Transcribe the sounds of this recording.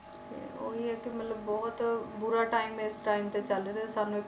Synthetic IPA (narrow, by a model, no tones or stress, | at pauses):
ḛo̰ɦiɛkimɐt̪ləbːɔɦʊt̪bʊɾaʈaːɪmːeɪsʈaːɪmt̪et͡ʃalet̪esaːnue